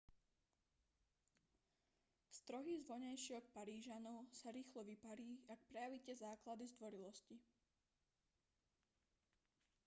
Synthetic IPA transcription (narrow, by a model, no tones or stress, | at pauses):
st̪ɾɔɦizʋɔɲajʃɪɔk̚paɾiːʒanɔʊsaɾiːxlɔʋipaɾiːak̚pɾɛjaʋicɛzaːklad̪izd̪ʋɔɾilɔsci